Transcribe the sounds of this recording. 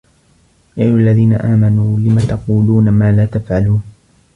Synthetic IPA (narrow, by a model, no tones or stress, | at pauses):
jaːjʊʔalːaðiːnaʔaːmanuːlɪmat̪ɑquːluːnamaːlaːt̪afʕaluːn